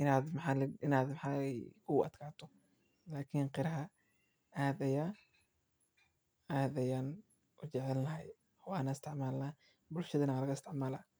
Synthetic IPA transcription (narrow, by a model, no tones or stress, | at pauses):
ʔɪnaːd̪mħaɪnaːd̪mɑħaːɛjkʰʊʔɐ̰d̪kʰaːt̪ʰɔ | laːkʰɪŋqɪɾɐɦɐ | aːðɛjɐ | aːðɛjan | ʊt͡ʃɛʕɛlnɐɦɛj | wɑːnɐɪst̪ʰɪʕmaːlnaː | bʊlʃɐðɐnɐlɐɣɐɪst̪ɪʕmaːlaː